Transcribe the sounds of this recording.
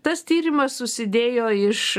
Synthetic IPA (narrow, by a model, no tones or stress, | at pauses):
t̪ɐst̪ʲiːɾʲɪmɐssʊsʲɪd̪ʲeːjoːɪʃ